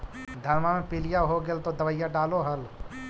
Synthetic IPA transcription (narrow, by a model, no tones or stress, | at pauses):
d̪ʱəɾmamẽpilijaɦoɡelt̪od̪əʋəjaɖaːloɦəl